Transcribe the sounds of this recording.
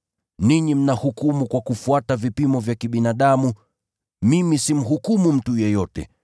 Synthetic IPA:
niɲim̩nahukumukwakufuatavipimɔvjakiɓinaɗamu | mimisim̩ɦukumum̩tujɛjɔtɛ̰

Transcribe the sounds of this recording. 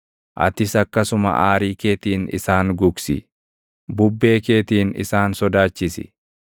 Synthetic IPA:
ʔɐ̰t̪ɪsɐkːɐsʊmɐ̰ʔaːɾiːke̞ːt̪iːnɪ̰saːŋɡʊɡsɪ̰ | bʊbːe̞ːke̞ːt̪iːnɪ̰saːnsɔd̪aːt͡ʃːɪsɪ̰

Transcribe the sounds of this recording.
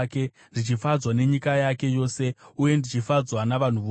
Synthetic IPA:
ke̞ | nʐit͡ʃifad͡zwane̞ɲikajake̞jo̞ːse̞uje̞ndit͡ʃifad͡zwanaʋan̤uʋo

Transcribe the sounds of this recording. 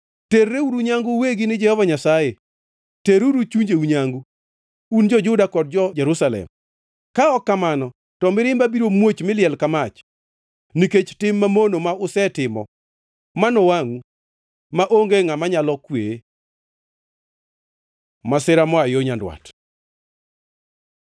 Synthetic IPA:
terːeuɾuɲaŋɡʊweɡinɪd͡ʒɛhɔvaɲasaje | teɾuɾut͡ʃuɲd͡ʒeuɲaŋɡu | und͡ʒɔd͡ʒʊdakɔd̚d͡ʒɔd͡ʒɛɾusalɛ̰m | kaɔkːamanɔ | tɔmɪɾɪmbabiɾomwot͡ʃmɪlɪɛlkamat͡ʃ | niket͡ʃtɪmːamonomaʊsɛtɪmɔ̰ | manowaŋu | maʔoŋɡeŋamaɲalɔkwe | masɪɾamɔajoɲandwa̰t

